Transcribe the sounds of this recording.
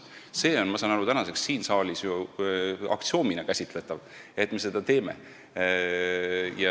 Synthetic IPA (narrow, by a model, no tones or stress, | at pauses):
se̞ːo̞nmɑsɑːnɑɾut̪ænɑse̞ksːiːnsɑːlʲisju | ɑ̰k̚t̪sio̞ːminɑkæsʲit̪ˑle̞t̪ːˑɑv | e̞t̪me̞s̬e̞d̪̥ɑt̪e̞ːmḛ | jɑ